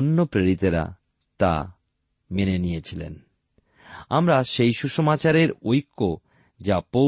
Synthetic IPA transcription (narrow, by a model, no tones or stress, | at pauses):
onːopɾeɾit̪eɾa̰ | t̪a̰ | menenijet͡ɕʰilḛn | a̰mɾaʃejʃuʃomat͡ɕaɾeɾojkʰːo | d͡ʑapo